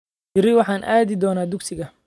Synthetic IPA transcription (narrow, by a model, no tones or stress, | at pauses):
t͡ʃɪɾɛjwɑħɑːnʔa̰ːðɪd̪ɔːnaːd̪ʊksɪɣɐ